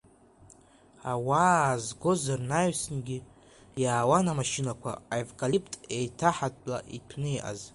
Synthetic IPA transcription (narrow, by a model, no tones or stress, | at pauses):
awaːzɡo̞zarnaɥsɨnɡʲi | jaːwanamaʃinakʷʰa̰avkʼalipʰʼtʼejtʰaħatʼla̰ʔitʰnɨiʔa̰z